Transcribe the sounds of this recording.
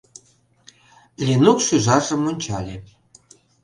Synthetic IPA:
lʲinukʃyʒɑʒə̆monʲt͡ɕɑlʲe

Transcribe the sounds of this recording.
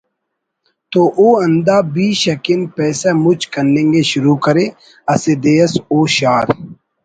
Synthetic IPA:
t̪oːʔoːɐ̃nd̪aːbiːʃɐkɪnpɛːsamʊt͡ʃkɐnlẽːŋɡeʃʊɾuːkɐɾe | ɐsed̪eːəsoːʃaːɾ

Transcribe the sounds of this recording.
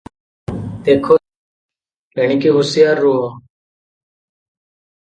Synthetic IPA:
d̪eːkʰoː | keɳ̃ikiːɦʊsɪjaːɾːuːɦ

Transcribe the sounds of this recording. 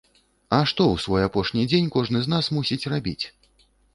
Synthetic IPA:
ɐʂt̪ɔwsvɔjapɔʂnʲid͡zʲenʲkɔʐnɨzn̪asmusʲit͡sʲrabʲḭt͡sʲ

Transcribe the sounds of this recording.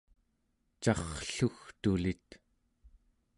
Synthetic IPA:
t͡ʃɑχɬuxt̪ulit̪

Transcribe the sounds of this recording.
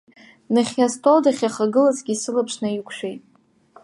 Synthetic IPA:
nɨχʲjastʰʼoldaχʲjaχaɡɨlazɡʲisɨlapʰʂnaikʷʰʃᶣejtʼ

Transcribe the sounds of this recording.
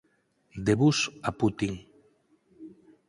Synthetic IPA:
d̪eβusaput̪iŋ

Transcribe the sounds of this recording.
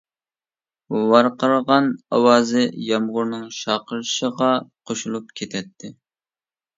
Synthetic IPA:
wɑɾqʰəɾʁɑnɑwɑːzɨjɑmʁʊɾnɨŋʃɑqʰəɾʃəʁɑqʰoʃulˠup̚kʲʰet̪ʰɛt̪ʰːɪ

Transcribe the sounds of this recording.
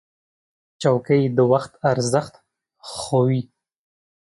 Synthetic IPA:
t͡ʃawkəjd̪əwaxt̪aɾzəxt̪ | xowi

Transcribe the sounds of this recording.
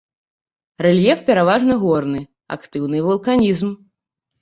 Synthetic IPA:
rɛlʲjɛfpʲɛɾavaʐnɐɣɔrnɨ | a̰kt̪ɨwnɨvɐlˠkanʲizm

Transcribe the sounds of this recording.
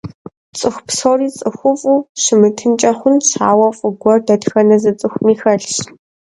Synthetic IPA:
t͡sʼɨxʷpsoriːt͡sʼɨxʷʊfʼuːɕɨmɨtʰɨnt͡ʃʼɐχʷʊnsaːwɐfʼʊɡʷɔrdɐtxɐnɐzɨt͡sʼɨxʷmiːxɐɬɕ

